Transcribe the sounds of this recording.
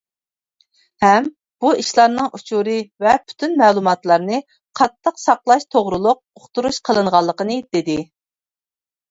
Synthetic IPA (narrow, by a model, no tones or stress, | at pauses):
hɛm | b̥uiʃlˠɑɾnɨŋʔut͡ʃʰuɾɨvɛpʰy̥t̪ʰynmɛːlˠumɑt̪lˠɑɾnɨ | qʰɑt̪ʰːəqsɑqlˠɑʃt̪ʰoʁɾulˠʊq̚oχt̪uɾuʃqʰəlˠɨɴʁɑlˠːəqənɨd̪̥ɪd̪ɪ